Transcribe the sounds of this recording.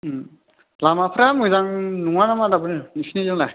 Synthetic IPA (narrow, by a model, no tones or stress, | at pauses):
lamapʰɯɾamɯjzaŋnuŋanamadabɯninisʰnizɯŋlaj